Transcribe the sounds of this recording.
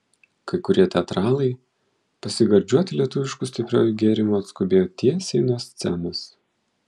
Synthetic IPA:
kɐɪkʊɾʲiɛt̪ʲɛt̪ɾɑːlˠɐɪ | pɐsʲɪɡɐɾʲd͡ʒʲuɔt̪ʲɪlʲiɛt̪ʊʋʲɪʃkʊsʲt̪ʲɪpʲɾʲo̰ːjuɡʲeːɾʲɪmuɐt̪skʊbʲeːjoːt̪ʲiɛsʲɛɪnuɔsʲt̪sʲɛmʊs

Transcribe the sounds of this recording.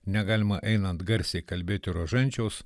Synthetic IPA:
nʲɛɡɑːlʲɪmɐʔɛɪnɐnt̪ɡɐɾʲsʲɛɪkɐlʲbʲeːt̪ʲɪɾɐʒɐnʲt͡ʃʲoːs

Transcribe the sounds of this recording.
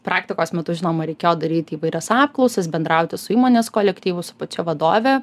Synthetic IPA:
pɾɑːkt̪ʲɪkoːsmʲɛt̪ʊʒʲɪnoːmɐɾʲɛɪkʲeːjoːd̪ɐɾʲiːt̪ʲɪːʋɐɪɾʲɛsɑːp̚klˠɔʊsʲɛsbʲɛnd̪ɾɑʊt̪ʲɪsʊiːmoːnʲeːskoːlʲɛkt̪ʲiːʋʊsʊpɐt͡ʃʲɛʋɐd̪oːʋʲɛ

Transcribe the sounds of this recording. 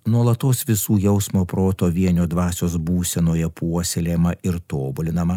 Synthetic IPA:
nuɔlˠɐt̪oːsʋʲɪsuːjɛʊsmoːpɾoːt̪oːʋʲiɛnʲoːd̪ʋɑːsʲoːsbuːsʲɛnoːjɛpuɔsʲelʲemɐɪɾt̪oːbʊlʲɪnɐmɐ

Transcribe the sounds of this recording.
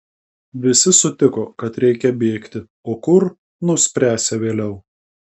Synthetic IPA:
ʋʲɪsʲɪsʊt̪ʲɪkoːkɐt̪ɾʲɛɪkʲɛbʲeːkt̪ʲɪ | oːkʊɾ | nʊsʲpʲɾʲæːsʲɛʋʲeːlʲɛʊ

